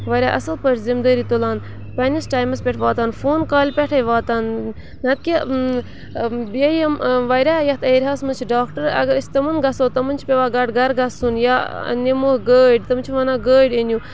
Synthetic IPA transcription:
ʋɐɾʲaːʔɐ̰sɐlpəʈʰzimd̪əːɾit̪ulaːn | pɐnʲisʈaːjmɐspʲɛʈʰʋaːt̪aːnfoːnkaːlʲpʲɛʈʰɐjʋaːt̪aːn | nɐt̪̚kʲe | bjejɐmʋɐɾʲaːjɐt̪ʰɐɾʲɦaːsmɐnt͡ʃʰiɖaːkʈɐɾɐ̰ɡɐɾɐsʲt̪ɐmɐnɡɐsoːt̪ɐmɐnt͡ʃʰi̥pʲeʋaːɡɐɖɡɐɾɡɐsunja̰ːnemohɡəːɖʲt̪ɐmt͡ʃʰiʋɐnaːɡəːɖʲenʲju

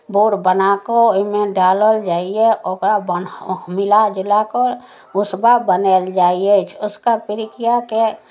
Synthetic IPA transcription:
boːɾbənakomẽɖaːləld͡ʒaːieʔokɾabənmɪlad͡ʒɪlako | ʊsbabəneld͡ʒaːiet͡ʃʰʊskapɪɾɪkijake

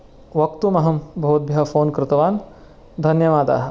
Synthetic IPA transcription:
ʋɐk̚t̪umɐɦɐmbʱɐʋɐt̪̚bʱjɐɐfoːnkɾɪt̪ɐʋaːn | d̪ʱɐnjɐʋaːd̪a̰ːɦɐ

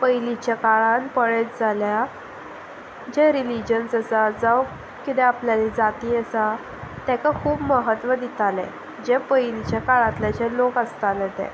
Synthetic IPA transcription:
pəjlit͡ɕjakaɭanpəɭet͡sd͡zalja | d͡ʑɛɾilid͡ʑənsəsad͡zaw | kit̪ɛapljalid͡zat̪iːəsa | t̪ɛ̃kakʰuːbməɦət̪ʋəd̪it̪alɛ̰̃ | d͡ʑɛpəjlit͡ɕjakaɭãt̪ljat͡ɕɛlokəst̪alɛt̪ɛ̰̃

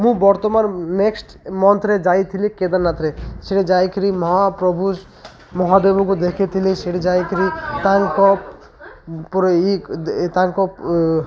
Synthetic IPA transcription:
mũbɔɾt̪ɔmanneksʈ | mɔnt̪ɾed͡ʒajt̪ʰiliked̪anat̪ɾeseɽed͡ʒajkʰɾimɔɦapɾɔbʱu | mɔɦabebukud̪ekʰet̪ʰiliseɽed͡ʒajkʰɾit̪aŋkɔp | pɔɾit̪ãŋkɔp

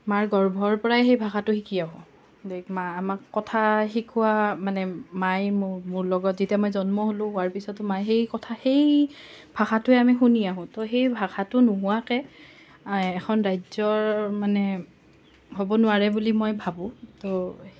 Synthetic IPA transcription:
maɹɡɔɹbʱɔɹpɔɹaɦejbʱaxatʊxikʰiaɦʊ̃ | emaamakːɔtʰaxikʰʊwamanɛmajmmʊɹlɔɡɔtzitamɔjzɔnmɔɦolʊ̃ɦʊaɹpisɔtʊmajxejkɔtʰaxejb̥ʱaxatʊɛamixuniaɦʊ̃toɦejbʱakʰatʊnʊɦʊakɛ | kʰɔnɹajzɔɹmanɛ | ɦobɔnʊaɹɛbulimɔjbʱabʊ̃to

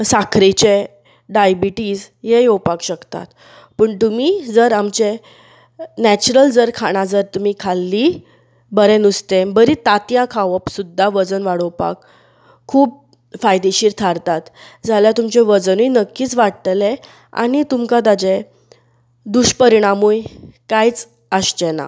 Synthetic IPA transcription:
sakʰɾit͡ɕe | ɖajbiʈiːd͡z | ɦejowpakɕəkt̪a̰t̪ | pəɳt̪umid͡zəɾamt͡ɕe | næt͡ɕuɾəld͡zəɾkʰaɽ̃ad͡zəɾt̪um̤iːkʰalːi | bəɾenust̪embəɾit̪at̪jãkʰaʋəpsud̪ʱːaʋəd͡zənʋaɽowpa̰kʰː | uːp̚ | fajd̪eɕiːɾt̪ʰaɾt̪at̪d͡zʱaljat̪umt͡ɕeʋəd͡znujnəkːiːt͡sʋaɽt̪le | a̰ɽ̃it̪umkat̪ad͡ʑe | d̪uɕpəɾiɽ̃amujkajt͡s | əɕt͡ɕena̰

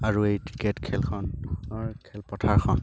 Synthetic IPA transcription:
aɹuejtɹi̥ketkʰɛlkʰɔnɔɹkʰɛlpɔtʰaɹkʰɔn

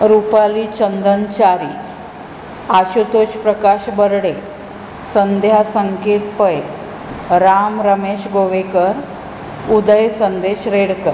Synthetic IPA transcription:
ɾupaliːt͡ɕənd̪ənt͡ɕaɾḭː | aɕut̪oɕpɾəkaɕbəɾɽe | sənd̪ʱjasəŋkeɾpəj | ɾamɾəmeɕɡoʋekəɾ | ud̪əjsənd̪eɕɾeɽkəɾ

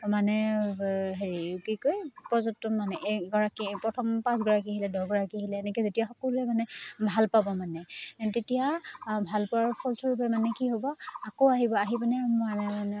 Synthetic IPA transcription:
manɛ | ɦeɹiɹukikojpɔzɔtɔmanɛʔɡɔɹakipɹɔtʰɔmpãsɡɔɹakiɦilɛdɔɡɔɹakiɦilɛːnɛkɛzetijaxɔkɔluɛmanɛbʱalpabɔmanɛtetijabʱalpɔaɹpʰɔlsʰɔɹupɛmanɛkiɦobɔakowaɦibɔaɦibanɛmanɛanɛ

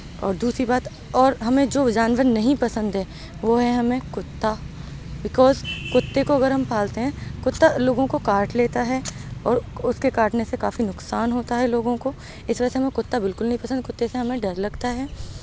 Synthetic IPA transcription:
ɔ̰ːɾd̪uːsɾibaːt̪ | ɔːɾɦɐmẽd͡ʒoːd͡ʒaːnʋəɾnɐɦĩpɐsə̃nd̪ɦɛː | ʋoɦɛɦɐmẽkʊt̪ːa | bɪkɔːzkʊt̪ːekoɐɡɐɾɐmpʰaːlt̪eɦɛ̃kʊt̪ːaloːɡõkokaːɾʈleːt̪aɦɛːɔːɾʊskekaːʈnesekaːfinʊksaːnɦoːt̪aɦɛloːɡõko | ɪsʋɐd͡ʒəseɦɐmẽkʊt̪ːabɪlkʊlnɐɦĩpɐsə̃nd̪̚kʊt̪ːeseɦɐmẽɖɐɾlɐɡt̪aɦɛː

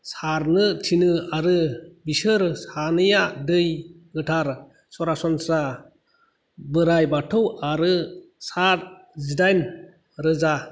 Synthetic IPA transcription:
saɾnɯtʰinɯaɾɯbisɯɾsanɯjadɯjɡɯtʰaɾ | sɔɾasɔnsɾa | bɯɾajbatʰɯwaɾɯsaɾ | zidajn | ɾɯza

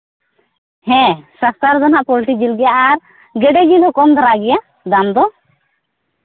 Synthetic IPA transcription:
hɛ̃sast̪aɾd̪ɔnaʔpɔlʈid͡ʒilɡɛjaʔaɾ | ɡɛɖɛɡinɦɔkɔmd̪ʱɔɾaɡɛja | d̪amd̪ɔ

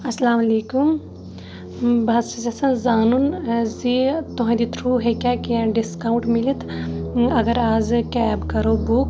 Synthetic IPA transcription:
ɐsɐlaːmɐleːkum | bɐsizɐsɐ̃nzaːnunzit̪uɦãd̪it̪ʰɾuːɦekʲakiãɖiskaːw̃ɳʈmilit̪ʰ | ɐɡɐɾaːzkɛːbkɐɾoːbuk

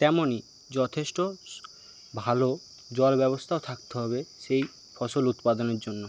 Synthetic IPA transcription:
t̪ɛmoni | d͡ʑɔt̪ʰeʃʈo | bʱalo | d͡ʑɔlbɛβost̪ʰaot̪ʰak̚t̪eɦɔβeʃej | fɔʃolut̪pad̪oneɾd͡ʑonːo

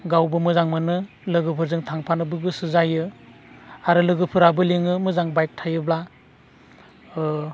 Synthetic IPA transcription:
ɡawbɯmɯzaŋmɯnɯ | lɯɡɯpʰɯɾzɯŋtʰaŋpʰanɯbɯɡɯsɯzajɯ | aɾɯlɯɡɯpʰɯɾabɯliŋɯmɯzaŋbajk̚tʰajɯbla

